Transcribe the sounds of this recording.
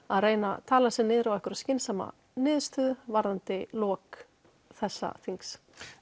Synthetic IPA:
aðreːjna̰t̪ʰaːlasɛnɪːðɾawɛhkʏɾascɪnsama̰ | nɪːðst̪ʏːðʏvaɾðant̪ɪlɔːk | θɛsːa̰θiŋks

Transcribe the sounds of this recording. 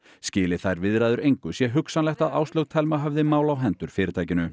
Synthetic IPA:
scɪːlɪθajɾvɪðɾajðʏɾejŋkʏsjɛɦʏksanlɛxt̪aðaːwst̪lowt̪ʰɛlmaɦœvðɪmaːwlawɦɛnt̪ʏɾ̥fɪːɾɪt̪ʰajcɪnʏ

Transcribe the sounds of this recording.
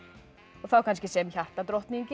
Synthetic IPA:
ɔθawkʰanskɪseːmɬaht̪at̪ɾɔht̪niŋk

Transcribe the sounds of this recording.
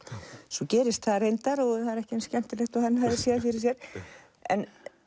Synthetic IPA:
sɔcɛːɾɪst̪θaðrejnt̪aɾɔɣθaðɪɾɛhcɪɛnscɛm̥t̪ɪlɛxt̪ɔhanːhaðɪɾ̥sjɛðafɪɾɪ̥sjɛɾ̥ | ɛ̰n

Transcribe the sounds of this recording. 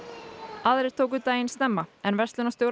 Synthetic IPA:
aðɾeɾ̥t̪ʰoːwk̬ʏt̪aːjɪnst̪ɛmːaɛnvɛst̪lʏnast̪jowɾ

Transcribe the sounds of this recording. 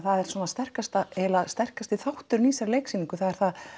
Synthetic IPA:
θaðɛɾ̥swɔːnast̪ɛr̥kast̪aɛlaðst̪ɛr̥kast̪iθawht̪ʏɾniːsaɾleːjksimiŋkʏθaðɛɾ̥θað

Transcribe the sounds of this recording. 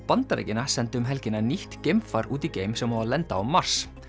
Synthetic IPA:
pant̪aɾḛjcɪnasɛnt̪ɪʏmɦɛlcɪnːaniht̪cejmfaɾuːt̪iceːjmsɛmhavalɛnt̪aɔmːar̥s

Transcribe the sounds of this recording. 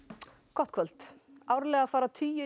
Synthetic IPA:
kʰvɔht̪̚kʰvœl̥t̪awɾlɛːɣafaːɾat̪ʰyːjʏ

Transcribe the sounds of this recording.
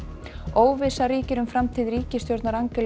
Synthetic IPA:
oːwvɪsaɾiːcɪɾʏmfɾamt̪ʰiːðɾiːcɪst̪jowɾt̪naɾaŋkɪl

